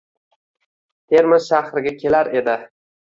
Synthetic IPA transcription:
t̪ʰe̞ɾmɪzʃaχɾɪɡʲakʲʰe̞laɾe̞d̪ɪ

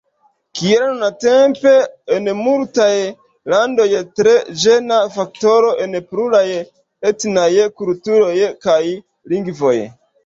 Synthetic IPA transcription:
kielnunate̞mpe̞enmultaj | lando̞jtɾe̞d͡ʒenafak̚to̞ɾo̞ʔe̞npɾulaj | etnajkultuɾo̞jkaj | liŋɡvo̞j

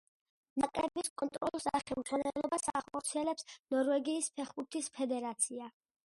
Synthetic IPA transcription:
nakʼɾɛbiskʼɔnt̪ʼɾɔ̰lˠɔsd̪aχɛmzwanɛlˠɔbasaχɔɾt̪sʰiɛlɛpsnɔɾvɛɡiːspʰɛχbuɾt̪ʰispʰɛd̪ɛɾat̪sʰia

